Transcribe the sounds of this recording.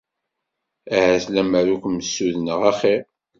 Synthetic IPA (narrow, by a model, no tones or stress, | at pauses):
aʕəslæməɾukʷmsːuðnəʁæχi